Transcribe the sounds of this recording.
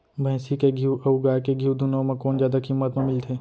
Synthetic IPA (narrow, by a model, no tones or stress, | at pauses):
bʱɛ̃ːsikeɡʱiwɐɡaːkeɡʱiwd̪ʊnomẽkɔːnzjaːd̪akimːət̪mẽmɪlt̪ʰeː